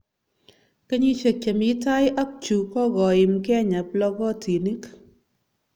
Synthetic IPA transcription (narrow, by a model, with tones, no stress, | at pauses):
ke˦ɲi˦t͡ʃe˨k̚t͡ʃe˨mɪ˦ta˦jʔa˦k̚t͡ʃu˨kɔ˦ɡɔ˨ɪ˨mkɛ˦ɲa˨plɔ˦ɡɔ˦ti˨ni˦k